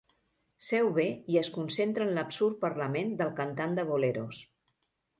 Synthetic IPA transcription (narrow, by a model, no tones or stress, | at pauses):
sɛwβeiəskunsent̪ɾənləpsuɾt̪̚pəɾləmend̪əlˠkənt̪and̪əβoleɾos